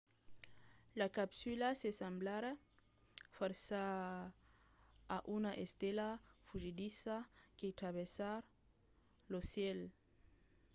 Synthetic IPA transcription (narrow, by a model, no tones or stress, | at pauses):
lakapsylasesamblaɾa | fɔɾsa | ʔunaʔest̪elafuʒid̪isaket̪ɾaβesaɾ | losjɛl